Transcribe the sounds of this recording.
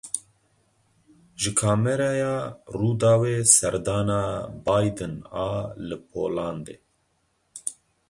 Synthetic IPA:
ʒɨkʰaːmɛɾɑːjaːruːd̪aːweːsɛɾd̪ɑːnaːbaːjd̪ɨnaːlɨpʰo̰ːlɑːnd̪eː

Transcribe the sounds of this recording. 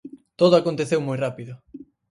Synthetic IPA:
t̪oðʊakont̪eθewmojrapiðʊ

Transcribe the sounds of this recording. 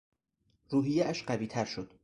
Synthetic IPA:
ɾuːɦijeʔæʃɢæviːt̪ʰæɾʃo̞d̪̥

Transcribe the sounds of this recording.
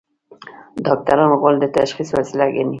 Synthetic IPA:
d̪ɑk̚t̪aɾɑnɣold̪ət̪aʃχiswasilaɡeni

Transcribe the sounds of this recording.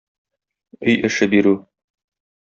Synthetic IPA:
ɵjʔɘ̆ʃɘbiɾʉ

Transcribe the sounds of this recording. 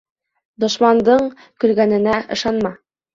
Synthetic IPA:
d̪ŏʃmɑnd̪ɤɴ | kɵ̆lɡænɘ̆næʔɤ̆ʃɑnmɑ

